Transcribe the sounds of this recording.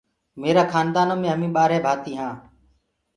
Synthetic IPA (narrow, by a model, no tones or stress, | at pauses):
meːɾaːkʰaːnd̪aːnoːmẽːɦəmĩːɓaːɾeːbʱaːt̪iːɦãː